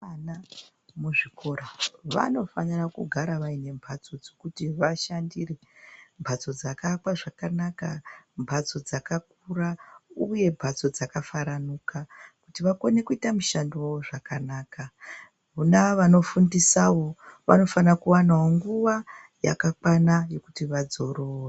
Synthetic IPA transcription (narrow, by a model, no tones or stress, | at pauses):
na | muʐikoɾaʋa̰no̞fanirakuɡʱaɾaʋaine̞mbʱat͡so̞d͡zokutiʋaʃandire | mbʱat͡so̞d͡zakakwaʐakanakambʱat͡so̞d͡zakak̚urauje̞mbʱat͡so̞d͡zakafaɾanuːkakutiʋakone̞kuitamuʃandiwowoʐakanaːka | unaʋano̞fundisawo̞ʋa̰no̞fanakuwanawoŋɡuʋa | ja̰kakwanaje̞kutiʋad͡zo̞ro̞ːʋe